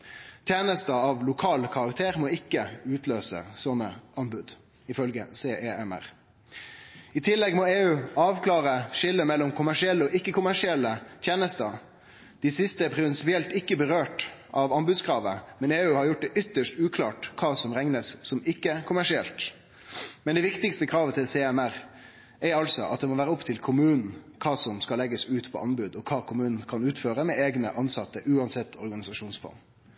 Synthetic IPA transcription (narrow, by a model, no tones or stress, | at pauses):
t̪ʰjeːnəst̪əɑʋlʊkʰɑːlkʰɑʁɑkt̪ʰeːʁmɔːɪkːəʉːt̪løːsə̰sɔnə̰ɑnbʉd̪ | ɪfœlɡəseːʔeːɛmæ̰ʁ | ɪt̪ʰɪlːɛɡmoːeːʉːɑːʋkʰlɑːʁəʃɪlːəmɛlːɔmkʰʊmæʂɪɛlːəɔʔɪkːəkʊmæʂɪɛlːət̪ʰjeːnəst̪ə | d̪̥iːsɪst̪əpʰɾɪʋɛnsɪpɪɛlt̪ɪkːəbəʁøːʈʔɑʋɑnbʉd̪skʰʁɑːʋə̰mɛneːʉːhɑɾjʊʈ̚ːd̪ɛʔʏt̪ːəʂʈʉːkʰlɑːʈkʰɑːsɔmɾɛŋnəssɔmɪkːəkʰʊmæʂɪɛlt̪ | mɛnd̪ɛʋɪkt̪ɪkst̪əkʰɾɑːʋət̪ʰɪlsɛːɛmæɾ | æɾɑlsɔʔɑt̪̚d̪ɛmɔʋæːɾəɔpt̪ʰɪlkʰʊmʉːnn̩kʰɑːsɔmskɑlɛɡəsʉːt̪pʰɔ̰ʔɑnbʉd̪ɔkʰɑːkʰʊmʉːnn̩kʰɑnʉːt̪føːɾəmɛeːɡnəʔɑnsɑt̪ːəʔʉːɑnsɛt̪ʰːɔɾɡɑnɪsɑʂuːnsfɑ̰n